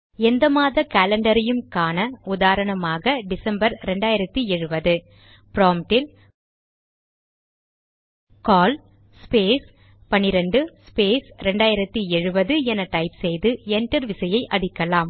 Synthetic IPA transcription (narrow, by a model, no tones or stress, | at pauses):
ɛnd̪ɐmaːðɐkaːlɐɳɖɐɾɪjɯmkaːnɐʊðaːɾɐɳɐmaːɣɐɖɪsɐmbɐɾɾɛɳɖaːjɪɾɐt̪ːiɛɻɯbɐðɯ | pɪɾoːmʈɪl | kaːl | speːs | pɐnɪɾɐɳɖɯspeːsɾɛɳɖaːjɪɾɐt̪ːiɛɻɯbɐðɯɛnɐʈɐɪpsɛjðɯɛɳʈɐɾʋɪsɐjɐɪʔɐɽɪkːɐlaːm